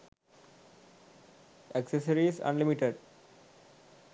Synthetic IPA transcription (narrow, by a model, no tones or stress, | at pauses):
eksəsəɾiːzʌ̰̃nlimiʈeɖ